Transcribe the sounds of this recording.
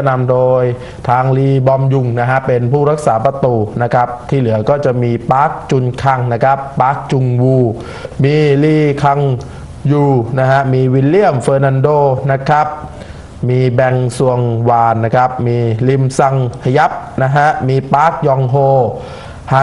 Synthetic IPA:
a˧˩na˧mdoː˧j | t̪ʰaː˧ŋliː˧bɔ˧mju˨˧˩ŋna˦˥ka˦˥pe˧npʰuː˥˩ɾa˦˥k̚saː˩˦pɾa˧t̪uː˨˩na˦˥kʰa˦˥p̚t̪ʰiː˥˩lɯ˩˦ɐkɔː˥˩t͡ɕa˨˩ʔmiː˧paː˦˥k̚t͡ɕu˧nkʰa˧ŋna˦˥kʰa˦˥pːaː˦˥k̚t͡ɕu˧ŋwuː˧˩ | miː˧liː˧˩kʰa˧ŋ | juː˨˩na˦˥kʰa˦˥miː˧wi˧nli˥˩əmfɤː˧na˧ndoː˧na˦˥kʰa˦˥p̚ | miː˧bɛ˧ŋsu˧əŋwaː˧˩nːa˦˥kʰa˦˥p̚miː˧li˧msa˧ŋkʰa˧ja˦˥p̚na˦˥ɦa˦˥miː˧paː˦˥k̚jɔ˧ŋɦoː˧ | haː˨˦

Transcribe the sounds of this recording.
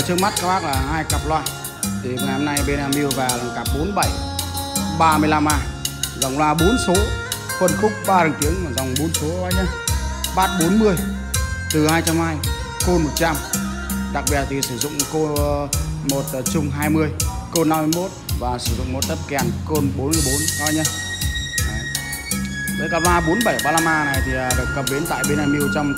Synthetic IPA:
t͡ɕɨ˦˥k̚ma˦˥t̚kaː˦˥whaː˦˥k̚laː˨˩ɦaː˧jkaː˨˩p̚lwaː˧ | t̪ʰi˨˩˨ŋa˨na˧mna˧jɓe˧naː˧mɓi˧wvaː˨˩la˨˩ŋkaː˨˩p̚ɓo˨˦nɓa˧˩j | ɓaː˧mɨ˧əjla˧mʔaː˧˩za˨˩wŋ͡mlwaː˧ɓo˨˦nso˨˦ | xwə˧nxʊ˦˥k͡p̚ɓaː˧ɾɨ˨˩ŋt̪i˨˦əŋ˨˩za˨˩wŋ͡mɓo˨˦nso˨˦aː˧ɲə˧ɓaː˦˥t̚ɓo˨˦nmɨ˧əj | t̪ɨ˨˩haː˧jt͡ɕa˧mhaː˧j | ko˧mo˨˩t̚t͡ɕa˧m | ɗa˨˩k̚ɓi˨˩ət̚t̪ʰi˨˩sɨ˧˩zʊ̰˧˨ŋ͡mko˧ | mo˨˩t̚ːt͡ɕʊ˧ŋ͡mɦaː˧jmɨ˧əjko˧nːa˧mːɨ˧ə˨jmo˦˥t̚vaː˨˩sɨ˧˩zʊ̰˧˨ŋ͡mmo˨˩t̚t̪ə˦˥p̚kɛ˨˩nko˧nɓo˨˦nmɨ˧˩əjɓo˨˦nhaː˧ɲə˧nː˨˩ | ɗe˨˦kaː˧˩laː˧ɓo˨˦nɓə˧˩jɓaː˧laː˧maː˧na˨˩jt̪ʰi˨˩ə˨˩ɗɨ˨˩əkkə˨˩p̚ɗe˨˦nt̪a̰ː˧˨jɓe˧naː˧mi˧əwt͡ɕɔ˧m

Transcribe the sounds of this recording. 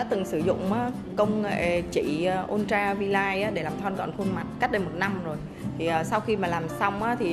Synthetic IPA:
ɔ̰˧˦˥t̪ɨ˨˩ŋsɨ˧˩zʊ̰˧˨ŋ͡mʔaː˨˦ | kə˧wŋ͡mḛ˧˨˩t͡ɕḭ˧˩˨ə˨˧ʔo˧nt͡ɕaː˧vi˧laː˧jʔaː˨˦ɗe˧˩laː˨˩mt̪ʰɔː˧nkɔ̰˧˨nxu˧nma˨˩t̚ka˦˥t̚ɗə˧jmo˨˩t̚na˧mzo˨˩j | t̪ʰi˨˩ʔəː˨˩sa˧wxi˧maː˨˩laː˨˩msa˧wŋ͡mʔaː˨˦t̪ʰi˨˩

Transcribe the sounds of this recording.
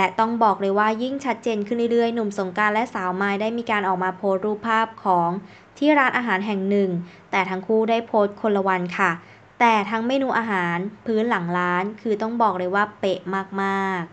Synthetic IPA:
lɛ˦˧˩t̪ɔ˥˩ŋbɔː˨˩k̚ɾɤː˧jwaː˥˩ji˥˩ŋt͡ɕʰa˦˥t̪̚t͡ɕeː˧nkʰɯ˥˩nɾiː˥˩ɾɯ˥˩əjnu˨˩mso˩˦ŋkaː˧lɛ˦˥ʔsaː˩˦wmaː˧jdaː˥˩jmiː˧kaː˧nʔɔː˨˩k̚maː˧pʰoː˦˥t̪̚ɾuː˥˩pʰːaː˥˩p̚kʰɔː˩˦ŋ | t̪ʰiː˥˩ɾaː˦˥nʔaː˧ɦaː˩˦nɦɛ˨˩ŋnɯ˨˩ŋt̪ɛː˨˩t̪ʰa˦˥ŋkʰuː˥˩daː˥˩jpʰoː˦˥t̪̚kʰo˧la˧wa˧nkʰa˥˩ | t̪ɛː˨˩t̪ʰaː˦˥ŋmeː˧nuː˧ʔaː˧ɦaː˩˦npʰɯː˦˥nla˩˦ŋɾaː˦˥nkʰɯː˧t̪ɔ˥˩ŋbɔː˨˩k̚ɾɤː˧jwaː˥˩pe˨˩ʔmaː˥˩k̚maː˥˩k̚

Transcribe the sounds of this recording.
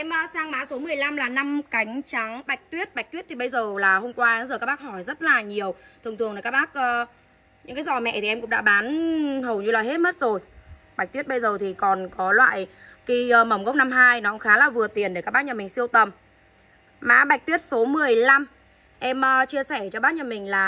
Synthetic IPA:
ʔɛ˧mʔəː˧saː˧ŋmaː˧˥so˨˦mɨ˨˩əjla˧mlaː˨˩na˧mka˨˦jŋ̟t͡ɕa˨˦ŋɓa˨˩jk̚t̪wi˦˥ət̚ɓa˨˩k̚t̪wi˦˥t̪ʰi˨˩ɓə˧jzəː˨˩laː˨˩ho˧mkwaː˧˨˦zəː˨˩ka˦˥ɓaː˦˥k̚hɔ˧˩jzə˦˥t̚laː˨˩ɲi˨˩əwt̪ʰɨ˨˩əŋt̪ɨ˨˩əŋn˨˩ka˦˥k̚ɓaː˦˥k̚ʔəː˧ | ɲɨ̰˧˥ŋkaː˨˦jzɔ˨˩mɛ̰˧˨ʔ̪ʰi˨˩ʔɛ˧mkʊ̰˧˥ŋ͡mɗa̰ː˧˥ɓaː˨˦nhə˨˩wɲɨ˧laː˨˩ɦe˦˥t̚mə˦˥t̚zo˨˩j | ɓa˨˩k̚t̪wi˦˥ət̚ɓə˧jzəː˨˩t̪ʰi˨˩kɔ˨˩nkɔ˨˦lwa̰ː˧˨j | xi˧əː˧mə˨˧˩ŋ͡mɣə˦˥wk͡p̚na˧mɦaː˧jnɔ˨˦kŋ͡mxaː˨˦laː˨˩vɨ˨˩ət̪i˨˩ənɗe˧˩kaː˦˥k̚ɓ̚ːɲə˧˩mï˨˩ŋ̟si˧əwt̪ə˨˩m | ma̰ː˧˥ɓa˨˩k̟̚t̪wi˦˥ət̚so˨˦mɨ˨˩əjla˧m | ʔɛ˧mʔəː˧t͡ɕi˧əsɛ˧˩t͡ɕɔ˧ɓaː˦˥t̚ɲə˧mï˨˩ŋ̟laː˨˩

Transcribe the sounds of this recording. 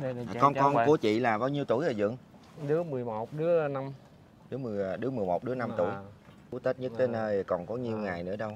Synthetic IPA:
kɔ˧nkɔ˧nku˧˩˦ət͡ɕḭ˧˨laː˨˩ɓaː˨˦wɲi˧əwt̪u˧˩jt̪əː˨˩zɨ̰˧˨əŋ | ɗɨ˨˦əmɨ˨˩əjmo˨˩t̚ɗɨ˨˦əna˧m | ɗɨ˨˦əmɨ˨˩əjɗɨ˨˦əmɨ˨˩əjmo˨˩t̚ɗɨ˨˦əna˧mt̪ṵ˧˩j | u˨˦t̪ə˦˥t̚ɲə˦˥t̚t̪ʰeː˨˦nəː˧jkɔ˨˩nkɔ˨˦ɲi˨˧əwŋaː˨˩jnɨ̰˧˥əɗə˧w

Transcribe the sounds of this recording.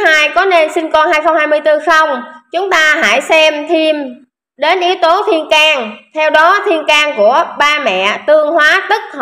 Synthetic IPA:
haː˧jkɔ˨˦ne˧nsï˧ŋ̟kɔ˧nhaː˧jxə˧wŋ͡mhaː˧jmɨ˧əjt̪ɨ˧xə˧wŋ͡mt͡ɕʊ˨˦ŋ͡mt̪aː˧ɦa̰ː˧˩jsɛ˧mt̪ʰi˧m | ɗe˨˦nʔi˨˦əwt̪o˨˦t̪ʰi˧ənkaː˧ŋt̪ʰɛ˧wɗɔ˨˦t̪ʰi˧ənkaː˧ŋku˧˩əɓaː˧mɛ̰˧˨t̪ɨ˧əŋhwaː˨˦t̪ɨ˦˥k̚h

